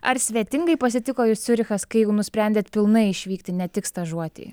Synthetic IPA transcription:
ɐɾsʲʋʲɛt̪ʲɪŋɡɐɪpɐsʲɪt̪ʲɪkoːjuːssʲʊɾʲɪxɐskɐɪjɛʊnʊsʲpʲɾʲɛnʲd̪ʲeːt̪pʲɪlˠnɐɪɪʃʲʋʲiːkt̪ʲɪnʲɛt̪ʲɪkst̪ɐʒuɔt̪ʲḭː

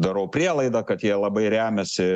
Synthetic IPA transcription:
d̪ɐɾɐʊpʲɾʲiɛlˠɐɪd̪ɑkɐt̪jiɛlˠɐbɐɪɾʲæːmʲɛsʲɪ

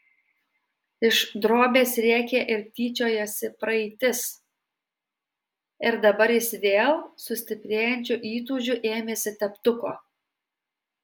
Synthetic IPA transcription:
ɪʃd̪ɾoːbʲeːsɾʲæːkʲeːʔɪɾt̪ʲiːt͡ʃʲoːjoːsʲɪpɾɐɛɪt̪ʲɪs | ɪɾd̪ɐbɐɾjɪsʋʲeːlˠsʊsʲt̪ʲɪpʲɾʲeːjɛnʲt͡ʃʲuʔiːt̪̬uːʒʲuʔeːmʲeːsʲɪt̪ʲɛpt̪ʊkoː

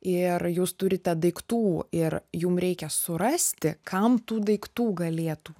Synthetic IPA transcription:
ɪrjuːst̪ʊɾʲɪt̪ʲɛd̪ɐɪkt̪uːɪrjumɾʲɛɪkʲɛsʊɾɐsʲt̪ʲɪkʰɐmt̪uːd̪ɐɪkt̪uːɡɐlʲeːt̪uː

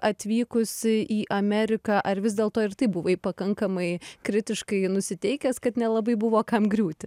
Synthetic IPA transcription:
ɐt̪ʲʋʲiːkʊsɪʔiːʔɐmʲɛɾʲɪkɑːʔɐrʋʲɪz̬d̪ʲeːlˠt̪oːɪrt̪ɐɪbʊʋɐɪpɐkɐŋkɐmɐɪkɾʲɪt̪ʲɪʃkɐɪnʊsʲɪt̪ʲɛɪkʲɛskɐt̪nʲɛlˠɐbɐɪbʊʋoːkɐmɡɾʲuːt̪ʲɪ

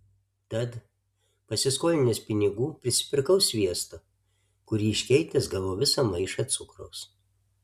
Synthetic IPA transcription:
t̪ɐt̪ | pɐsʲɪskoːlʲɪnʲespʲɪnʲɪɡuːpʲɾʲɪsʲɪ̥pʲɪɾkɐʊsʲʋʲiɛst̪o | kʊɾʲiːɪʃʲkʲɛɪt̪ʲɪsɡɐʋoːʋʲɪsɐmɐɪʃɐt̪sʊkɾo̰ːs

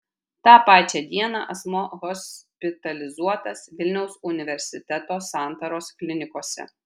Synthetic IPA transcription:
t̪ɑːpɑːt͡ʃʲɛːd̪ʲiɛnɑ̰ʔɐsmoːɣɔsʲpʲɪt̪ɐlʲɪzuɔt̪ɐsʋʲɪlʲnʲɛʊsʊnʲɪʋʲɛɾʲsʲɪt̪ʲɛt̪oːsɑˑnt̪ɐɾoːsklʲɪnʲɪkoɔsʲɛ̰

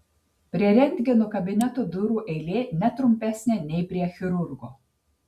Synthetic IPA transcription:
pʲɾʲiɛɾʲɛnʲd̪ʲɡʲɪnoːkɐbʲɪnʲɛt̪oːd̪ʊɾuːʔɛɪlʲeːnʲɛt̪ɾʊmʲpʲæsʲnʲeːnʲɛɪpʲɾʲiɛxʲɪɾʊɾɡoː

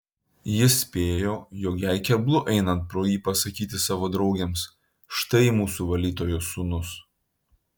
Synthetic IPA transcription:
jɪsʲpʲeːjoːjoːkjæɪkʲɛblˠʊʔɛɪnɐnt̪̚pɾoːjiːpɐsɐkʲiːt̪ʲɪsɑːʋoːd̪ɾɒʊɡʲɛms | ʃt̪ɐɪmuːsuʋɐlʲiːt̪oːjʊsʊnʊs

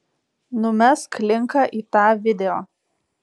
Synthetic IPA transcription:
nʊmʲɛsklʲɪŋkɐʔiːt̪ɑːʋʲɪd̪ʲɛjoː

